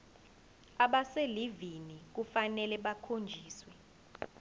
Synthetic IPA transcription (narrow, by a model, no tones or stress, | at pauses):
aɓaselivinik̬ufanɛlɛɓakʰond͡ʒʱiːswɛ